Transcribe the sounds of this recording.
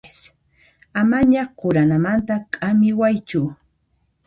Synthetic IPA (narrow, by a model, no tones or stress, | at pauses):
s | amaɲaqʊɾanamant̪akʼamɪwajt͡ʃʊ